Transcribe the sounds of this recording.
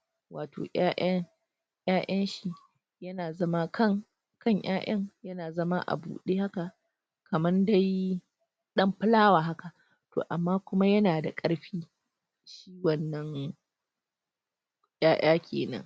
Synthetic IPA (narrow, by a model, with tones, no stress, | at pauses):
waː˨tʰo̰ː˨ʔaː˦ʔɐ˦ŋ | jaː˦ʔɐ˦nʃi˨ | jɐ˦naː˨zɐ˦ma˦kʰɐ˦˨ŋ | kʰɐ˦ɲj̰aː˦ʔɐ˦ŋjɐ˦naː˨zɐ˦ma˦ʔa̰˨bṵː˨ɗeː˦ha˦ka˨ | kɐ˨mɐ˦nda˦j | ɗɐ˦mɸɪ˦laː˦waː˨ɦa˦ka˨ʔ | to̰ː˨ʔa˨mːaː˦kʷʊ˦ma˦jɐ˦naː˨da˨kʼɐ˦ɽɸiː˦ | ʃiː˦wɐ˨nːɐ˦ŋ | j̰aː˦j̰ʔaː˦kʲʰḛː˨nɐ̰˦ŋ